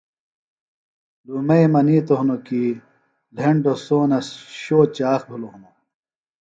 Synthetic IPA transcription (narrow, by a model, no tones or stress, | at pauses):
lumejmɐniːt̪oɦunoki | lʱeɳɖosoːnɐsɕoːt͡ɕaːxb̪ʱuloɦuno